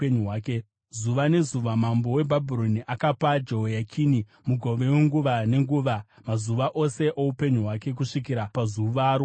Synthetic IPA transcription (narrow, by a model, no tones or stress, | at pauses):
eɲuwaːke | zuʋane̞zuʋamambo̞we̞bʱabʱiɾo̞niʔakapad͡ʒo̞jakʰini | muɡʱo̞ʋe̞weŋɡuʋane̞ŋɡuːʋa | mazuʋaʔo̞se̞ʔoupe̞ɲuɦwake̞k̬uʂikiɾapazuʋaːɾo